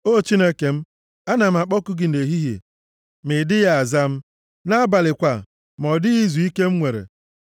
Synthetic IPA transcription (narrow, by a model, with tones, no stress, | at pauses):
o˦˨t͡ʃi˦ne˦ke˨m̩˦ | a˦na˨m̩˦a˨k͡pɔ˦kʊ˦ɡɪ˨n̩e˨ɦi˦ɦjḛ˨ | mɪ˨dɪ˦ja˦a˨za˦m̩˦ | na˦ba˨lɪ˨kʷa˨ | m˨ɔ˨dɪ˦i˦zu˨i˦ke˦m̩˦ŋʷe˨ɾḛ˨